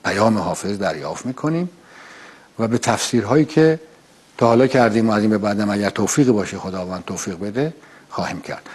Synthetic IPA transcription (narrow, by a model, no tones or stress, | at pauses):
pʰæjɒːmeɦɒːfe̞zd̪æɾjɒːft̪miːkʰoniːm | væbet̪ʰæfsiːɾɦɒːjiːcʰe | t̪ʰɒːhɒːlɒːcʰæɾd̪iːmoæziːmbe̞bæːd̪æmæɟæɾt̪ʰoːfiːɣibɒːʃexod̪ɒːvæːnd̪̚t̪ʰːoːfiːɣbe̞d̪e | xɒːhiːmcʰæ̰ɾd̪̥